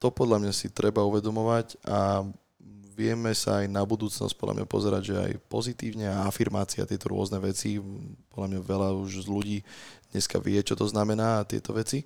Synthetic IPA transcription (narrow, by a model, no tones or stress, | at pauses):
t̪ɔpɔd̪ʎamɲasit̪ɾɛbauʋɛd̪ɔmɔʋaɟa | ʋɪɛmɛsa̰ːjnabud̪uːt͡snɔ̰sc̚pɔd̪la̰mɲa̰pɔ̰zɛɾa̰ɟʒɛa̰jpɔzit̪iːʊɲɛaafiɾmaːt͡sia̰t̪ɪɛt̪ɔɾʊɔznɛʋɛt͡sipɔd̪lamɲaʋɛlauʒzluɟiːd̪ɲɛska̰ʋɪɛt͡ʃɔt̪ɔznamɛnaːt̪ɪɛ̰t̪ɔʋɛt͡si